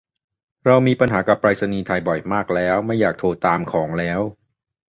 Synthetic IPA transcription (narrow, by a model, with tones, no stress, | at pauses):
ɾa˧wmiː˧pa˧nɦaː˩˦ka˨˩pːɾaː˧t̚sa˧niː˧t̪ʰa˧jbɔ˨˩jmaː˥˩k̚lɛː˦˥wma˥˩jːaː˨˩k̚t̪ʰoː˧t̪aː˧mkʰɔː˩˦ŋlɛː˦˥w